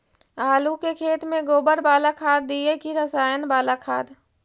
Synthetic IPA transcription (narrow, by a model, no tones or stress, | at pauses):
aːlukekʰeːt̪mẽɡoːbəɾbaːlakʰaːd̪̚ːiekiɾəsaːjənbaːlakʰaːd̪